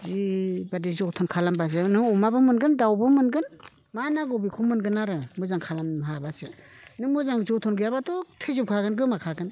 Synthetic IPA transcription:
zibadizɔtʰɔnkʰalambazɯnɯɔmabɯmɯnɡɯndawbɯmɯnɡɯn | manaɡɔbikʰumɯnɡɯnaɾɯmɯzaŋkʰalamɦabasɯnɯmɯzaŋzɔtʰɔnɡɯjabatɔtʰɯzɯp̚kʰaɡɯnɡɯmakʰaɡɯn

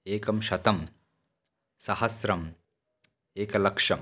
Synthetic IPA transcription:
eːkɐmʃɐt̪ɐm | sɐhɐsɾɐm | eːkɐlɐkʂɐm

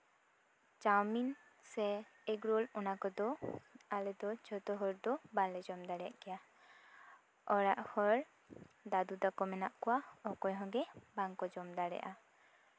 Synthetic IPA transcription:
t͡ʃawmin | sɛɛɡɾɔlɔnakɔd̪ɔalɛd̪ɔt͡ʃʰɔt̪ɔɦɔɾd̪ɔbalɛd͡ʒɔmd̪aɽɛja̰ʔkɛja | ɔɾaʔhɔɾ | d̪ad̪ud̪akɔmɛnaʔkɔwaɔkɔjɦɔ̃ɡɛbaŋkɔd͡ʒɔmd̪aɾɛ̰ʔa

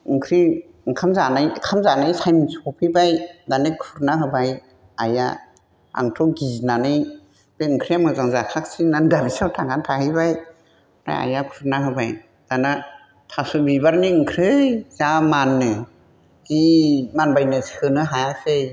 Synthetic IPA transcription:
ɯŋkʰɾi | ŋkʰamzanajkʰamzanajsajmisukʰɔpʰibajdanɯkʰuɾnaɦɯbaj | aja̰ | a̰ŋtʰɔɡiznanɯj | b̥eɯŋkʰɾijamɯzaŋzakʰak̚sinandabisawtʰaɡantʰahɯbaj | ɾa̰ja̰jakʰuɾnaɦɯbaj | d̥ana | tʰasubibaɾniɯŋkʰɾɯjzamanːɯ | zimanbajnɯsihɯnɯɦajase

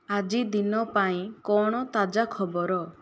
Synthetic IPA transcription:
ad͡ʒid̪inɔpaĩkɔɽ̃ɔt̪ad͡ʒakʰɔbɔɾɔ

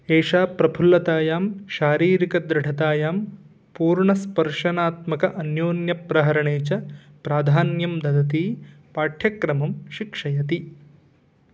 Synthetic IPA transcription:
eːʃaːpɾɐbʰʱulːɐt̪aːjaːmʃaːɾiːɾikɐd̪ɾɪɖʱɐt̪aːjaːm | puːɾɳɐspɐɾʂɐnaːt̪mɐkɐʔɐnjoːnjɐpɾɐɦɐɾɐɳeːt͡ʃɐ | pɾaːd̪ʱaːnjɐmd̪ɐd̪ɐt̪iː | paːʈʰjɐkɾɐmɐmʃikʂɐjɐt̪i

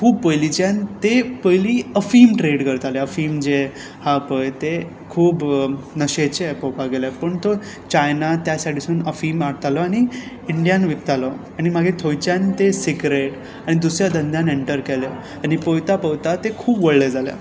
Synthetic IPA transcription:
kʰuːbpəjlit͡ɕant̪epəjliːəfiːmʈɾeɽkəɾt̪aleəfiːmd͡ʑe | hapəjt̪e | kʰuːbnəɕet͡ɕepəwpaɡelapəɳt̪o | t͡ɕajnat̪jasaʈʰisuːnəfiːmaɽt̪alɔaɽ̃i | iɳɖijanʋik̚t̪alɔ | aɽ̃imaɡʱet̪ʰojt͡ɕant̪esiɡɾeʈ | aɽ̃id̪usɾjad̪ənd̪ʱjãneɳʈəɾkɛle | aɽ̃ipəwt̪apəwt̪at̪ekʰuːbʋəɭled͡zalja̰

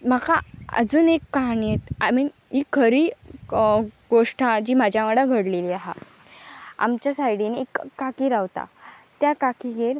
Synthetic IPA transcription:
m̤akaə̰d͡zuːnekːaɦanijet̪ami | ikʰəɾiː | ɡoʂʈʰad͡ʑiːm̤ad͡ʑjaʋəɽaɡʱəɽleliːaɦa | a̰mt͡ɕjasajɽineekːakiːɾaʋt̪a̰t̪jakakiɡʱeɽ

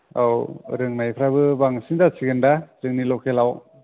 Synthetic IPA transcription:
a̰wɾɯŋnajpʰɾabɯbaŋsindasiɡɯndazɯŋnilɔkʰelaw

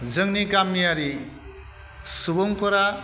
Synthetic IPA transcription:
zɯŋnikamːijaɾi | subɔŋpʰɔɾa

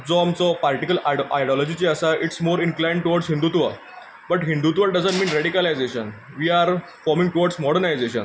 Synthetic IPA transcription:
d͡zɔmt͡sɔpalʈikəla̰jɖiɔlɔd͡ʑit͡ɕiəsaʔiʈsmoːɾinklãj̃ɳɖʈuʋɔɾɖsɦĩnd̪ut̪ʋa | bəʈɦĩnd̪ut̪ʋaɖəd͡zəɳʈmiːnɾeɽikəlajd͡zeɕən | ʋiːaɾ | fɔɾmĩŋʈuʋɔɖsmɔɽəɾnajd͡zeɕə̰n

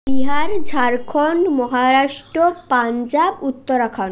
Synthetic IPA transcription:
biɦaɾd͡ʑʱaɾkʰonmɔɦaɾaʃʈɾopand͡ʑabut̪ːoɾakʰon

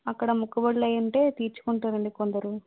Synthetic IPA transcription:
ɐkːɐɽɐmukːɐbɐɭlɐjɐɳʈe̞ːt̪iːɾt͡ʃu̥kuɳʈuːɾɐɳɖikond̪ɐɾu

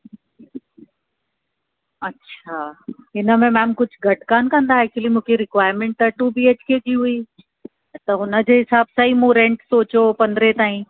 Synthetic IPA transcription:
ɐtːɕʰaːɦɪnə̆mẽmɛ̃ːmkʊd͡ʑʱʊɡʱɐʈkaːnkɐ̃nd̪aɛːk̚t͡ɕəlimũːkʰeɾɪkwaːɪɾmẽːɳʈ̪ɐʈubiːeːt͡ɕkekiɦʊiː | t̪ɐɦʊnə̆d͡ʑeːɦɪsaːbsɐimũːɾẽːɳʈsoːt͡ɕopɐ̃nd̪ɾet̪aːĩ

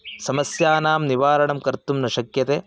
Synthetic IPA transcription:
sɐmɐsjaːnaːmniʋaːɾɐɳɐmkɐɾt̪umnɐʃɐkjɐt̪eː

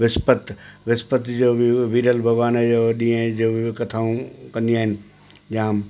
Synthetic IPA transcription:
ʋɪspət̪ʋɪspət̪d͡ʑoːbɪʋiːɾəlbʱɐɡʋaːned͡ʑoɗĩːə̃d͡ʑoːbʱɪkɐt̪ʰaːũkɐ̃nd̪iaːɦɪnɪ̆ | d͡ʑaːm

